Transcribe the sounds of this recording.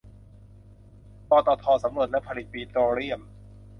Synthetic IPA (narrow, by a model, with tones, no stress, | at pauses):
pɔː˧t̪ɔː˧t̪ʰɔː˧sa˩˦mɾu˨˩ət̪̚lɛ˦˥pʰa˧li˨˩t̪̚piː˧t̪oː˧ɾi˥˩əm